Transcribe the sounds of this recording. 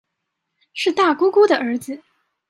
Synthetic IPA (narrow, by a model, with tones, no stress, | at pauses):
ʂɻ̩˥˧t̪a˥˩ku˥ku˥d̪ə˨ʔə˞˧˥d͡zɹ̩˧